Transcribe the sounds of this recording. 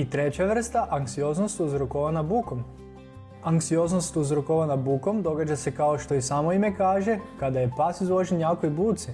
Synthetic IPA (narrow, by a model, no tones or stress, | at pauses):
it̪ɾe̞t͡ɕaʋr̩st̪aʔaŋksio̞znost̪uzɾokoʋanabukom | aŋksio̞znost̪uzɾokoʋanabuko̞md̪o̞ɡad͡ʑase̞kaoʃt̪o̞isamoime̞kaːʒe̞kad̪aje̞pasizʋoʒenjakojbuːt̪si